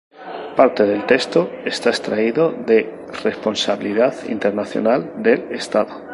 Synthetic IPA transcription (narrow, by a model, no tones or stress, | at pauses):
paɾt̪e̞ð̞e̞lt̪ekst̪oest̪aest̪ɾaiðoðe | re̞spo̞nsaβiliðaðḭnt̪eɾnaθjo̰nald̪e̞lest̪aðo